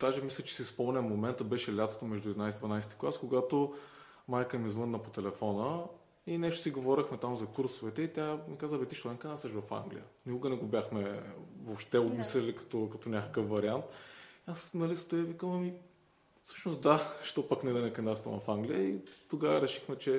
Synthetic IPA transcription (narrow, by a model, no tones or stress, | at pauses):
d̪̥aʒɛmislʲɛt͡ʃɛ̥siispɔlˠnʲɛmomɛnt̪əbɛʃɛlʲat̪st̪omɛʒd̪ʊɛd̪inajsd̪vɐnajsɛ̥t̪i̥klˠaskoɡat̪o | majkəmizvɤnːəpot̪ɛlɛfɔnə | inɛʃt̪ʊ̥siɡovɔɾʲixmɛt̪amzɐkuɾsovɛt̪ɛit̪ʲjamikazəbɛt̪iʃt̪olɛŋkənasɛʃvɐfa̰ŋɡlḭjə̰nikʊɡənɛɡobjaxmɛvopʃt̪ɛomislɛlikɐ̥t̪ɔkɐt̪ɔnʲakəkəfvɐɾiant̪iasnɐlist̪ojɛvikəmɐmi | fsɤ̥ʃnost̪d̪aʃt̪ɔpəknɛd̪ɛnɛkɐnd̪at̪st̪ɐ̰nvɐfaŋɡlijəit̪oɡavəɾɛʃi̥xmɛt͡ʃɛ